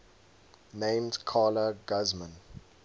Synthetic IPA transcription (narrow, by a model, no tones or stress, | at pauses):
nẽɪ̃mdkʰaːləɡazmə̃n